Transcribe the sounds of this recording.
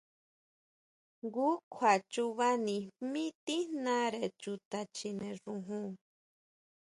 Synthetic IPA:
ɡu˦kʰwa˨t͡ʃu˧βa˦nĩ˧mĩ˦t̪i˦nã˦ɾe˨t͡ʃu˧t̪a˧t͡ʃi˧nẽ˧ʐũ˧ɦũ˦

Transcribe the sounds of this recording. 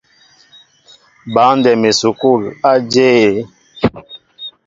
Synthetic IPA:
ba˨˦n˦dɛ˨me˨su˨ku˦˨la˦d͡ʒe˦e˨

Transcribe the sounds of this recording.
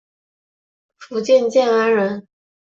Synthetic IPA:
fu˧˥t͡ɕjɛ˥˧nt͡ɕjɛ˥˩na˥nɻə˧˥n

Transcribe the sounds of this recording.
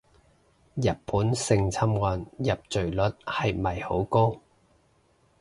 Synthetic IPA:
jɐ˨t̚pʰuː˨˥nsɪ˧ŋt͡sʰɐ˥mŋɔː˨njɐ˨p̚t͡ʃɵ˨˩ɥlɵ˨˥t̚hɐ˨jmɐ˨jho˨˥wko˥w

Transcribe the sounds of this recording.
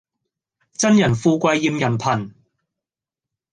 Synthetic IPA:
t͡sɐ˥njɐ˨˩nfuː˧kʷɐ˧jːi˧mjɐ˨˩npʰɐ˨˩n

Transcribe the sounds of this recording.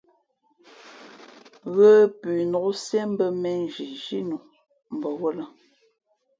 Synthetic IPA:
ɣə˦pʉ˨no˨ʔsjɛ˦m˦bə˦mɛ˦˨n˨d͡ʒi˨ʒi˦nu˨ | m̩˨bɔ˨wo˦lə˦

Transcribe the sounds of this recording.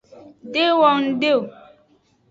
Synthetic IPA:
de˦wɔ˦ŋ̩˦de˦o˨

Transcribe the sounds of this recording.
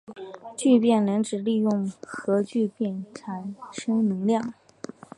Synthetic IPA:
t͡ɕy˥˧pjɛ˥˩nla˧˥nʈ͡ʂɻ̩˨˩li˥˧jʊ˥˩ŋxɤ˧˥t͡ɕy˥˧pjɛ˥˩nʈ͡ʂʰa˨˩nʂɤ˥ŋnɤ˧˥ŋljɑ˥˩ŋ

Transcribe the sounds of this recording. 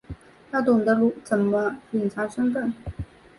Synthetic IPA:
t̪ʰa˥t̪ʊ˨˩ŋd̪ə˦lu˥˩t͡sə˨˩mə˧i˨˩nt͡sʰa˧˥ʂə˥nfə˥˩n

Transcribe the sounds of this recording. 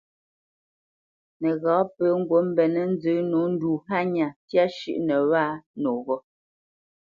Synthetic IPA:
nɛ˨ɣɔ̃˨˦pə˨˦ŋ̩˦ɡwo˨˦m̩˦bɛ˨nɛ˦n̩˦d͡zə˨˦no˨˦n̩˦du˨ɦa˦ɲa˨tja˦ʃʉ̰˦ʔnɛ˨waː˦no˨ɣɔ˦

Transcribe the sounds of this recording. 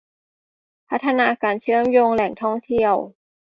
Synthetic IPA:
pʰa˦˥t̪ʰːa˧naː˧kaː˨˩nt͡ɕʰɯ˥˩˨əmjoː˧ŋlɛ˨˩ŋt̪ʰɔ˥˩ŋt̪ʰi˥˩əw

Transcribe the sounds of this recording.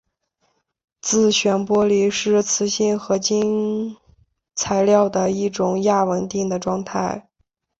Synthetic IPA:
t͡sɹ̩˥˩ɕɥɛ˧˥npwɔ˥li˧˥ʂɻ̩˥˩t͡sʰɹ̩˧˥ɕi˥˩nxɤ˧˥t͡ɕi˥n | t͡sʰa˧˥ɪljɑ˥˩ʊd̪ə˩i˥˩ʈ͡ʂʊ˧˩˥ŋja˥˩wə˧˥nt̪i˥˩ŋd̪ə˩ʈ͡ʂwɑ˥˧ŋt̪ʰa˥˩ɪ

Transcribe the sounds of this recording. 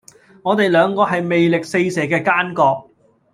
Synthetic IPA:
ŋɔː˨˧t̪e˨jlœː˨˧ŋkɔː˧ɦɐ˨jme˨jlɪ˨k̚se˧jsɛː˨˩kɛː˧kaː˥nkɔː˧k̚

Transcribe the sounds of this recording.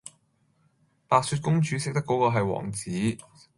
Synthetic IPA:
paː˨k̚syː˧t̚kʊ˥ŋt͡ʃyː˨˥sɪ˥k̚t̪ɐ˥kːɔː˨˥kɔː˧ɦɐ˨jwɔ̰ː˨˩ŋt͡siː˨˥

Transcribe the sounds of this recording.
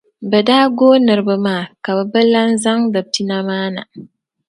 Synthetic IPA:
bɛ˨daː˦ɡoː˦nɨ˨ɾɨ˨˦bɨ˨maː˦˨ka˨bɛ˨bɨ˦la˦n˦za˦ŋdɨ˨ti˦na˦maː˦na˨

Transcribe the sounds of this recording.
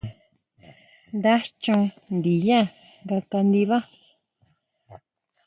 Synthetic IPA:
nd̪a˦t͡ʃũ˧ | nd̪i˨ja˦ | nɡa˧ka˧nd̪i˧βa˦

